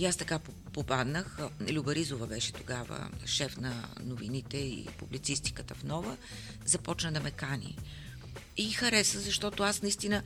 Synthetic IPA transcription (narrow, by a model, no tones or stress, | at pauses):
iast̪ɐkap | popad̪nəxlʲubɐɾizovəbɛʃɛ̥t̪oɡavə̰ʃɛfnɐ̰novinit̪ɛḭpublit̪sist̪i̥kət̪əfnɔvə | zɐpɔt͡ʃnəd̪ɐmɛkanḭ | ixɐɾɛsəzɐʃt̪ɔt̪ʊasnɐist̪inə